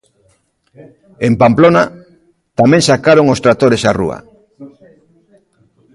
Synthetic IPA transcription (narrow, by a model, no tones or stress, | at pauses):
empamplona | t̪amẽŋsakaɾoŋost̪ɾat̪oɾesarṵa̰